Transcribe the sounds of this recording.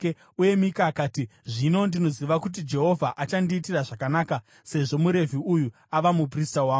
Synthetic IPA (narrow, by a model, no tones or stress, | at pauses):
uje̞mikaːkaːtiʐino̞ndino̞ziʋakut̬id͡ʒe̞ɦo̞vʱaʔat͡ʃandiːtiraʐakanaːka | se̞ʐo̞muɾe̞vʱiuju | aʋamup̬ristawaːo